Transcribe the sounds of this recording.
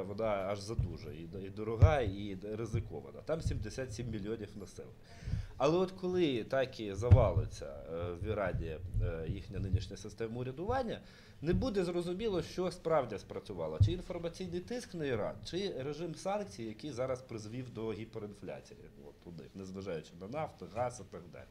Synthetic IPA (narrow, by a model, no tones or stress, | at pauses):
ʋɔnɑɐʒzɐd̪uʒɐ̰iid̪ɔɾɔɦɑiɾɪzɪkɔ̰ʋɐ̰nɐ̰t̪ɑmsʲimd̪esʲat̪ʲsʲimːʲilʲijɔnʲiwnɐsɪ̰lˠɪ | ɐlˠɛɔt̪kɔlˠɪt̪ɑkizɐʋɑlˠɪt͡sʲːɐ̰ʋʲiɾɑdʲijɐjixnʲɐnɪnʲiʃnʲɐjɐsɪst̪ɛmɐʊɾʲɐd̪ʊʋɑnʲːɐ | nebud̪ɛzrɔzʊmʲilˠɔʃt͡ʃɔspɾɑwdʲɐspɾɐt͡sʲʊʋɑlˠɐt͡ʃɪinfɔrmɐt͡sʲijnɪjt̪ɪsknɐjiɾɑ̰d̪̚t͡ʃɪɾeʒɪmsɑnk̚t͡sʲijijɐkijzɑɾɐspɾɪzʋʲiwd̪ɔɦʲipeɾɪnflʲa̰t͡sʲijḭ | ɔ̰t̪ʊd̪nɪ̰xnezʋɐʒɑjʊt͡ʃɪnɐnɑft̪ɪɣɑsɪt̪ɐɡd̪ɑ̰lʲi